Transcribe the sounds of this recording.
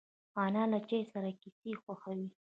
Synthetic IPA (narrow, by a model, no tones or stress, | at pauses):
ɑnɑlat͡ʃajsaɾakisexwaxawi